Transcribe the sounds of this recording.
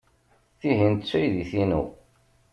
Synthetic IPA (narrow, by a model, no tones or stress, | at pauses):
θiɦint̪ət͡sːæjðiθinṵ